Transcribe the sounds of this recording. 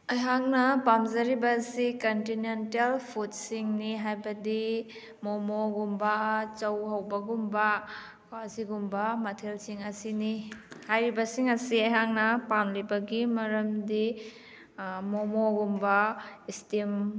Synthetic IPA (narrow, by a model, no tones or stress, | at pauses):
ɐjɦaŋnɐpamzɐɾibɐsikontinentelpʰut̚siŋniɦajbɐdi | momoɡumbɐt͡ʃɐwɦɐwbɐɡumbɐ | kaziɡumbɐmɐtʰelsiŋɐsinihajɾibɐsiŋɐsiɐjɦaŋnɐpamlibɐɡimɐɾɐmdi | momoɡumbɐistim